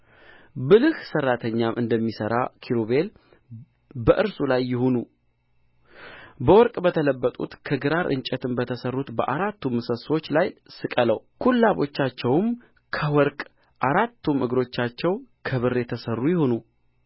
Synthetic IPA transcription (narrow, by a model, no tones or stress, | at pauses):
bɨlɨhsərːat̪ʰəɲːamʔɨnd̪əmːisəɾa̰kʰiɾoβe̞l | bəʔɨɾsulajːɪhonu | bəwɔɾkʼbət̪ʰələbːət̪ʼṵt̪kʰəɡɨɾaɾʔɨ̰nt͡ʃʼɛt̪ʰɨnbət̪ʰəsərːut̪bəʔaɾat̪ːumsəsot͡ʃːlajsɨkʼələwkʰulːaβo̞̰t͡ʃːat͡ʃːɛwɨm | kʰəwɔɾkʼ | ʔaɾat̪ʰːumʔɨɡɾo̞t͡ʃːat͡ʃːɛwkʰəβɨrːet̪ʰəsərːujɪhonu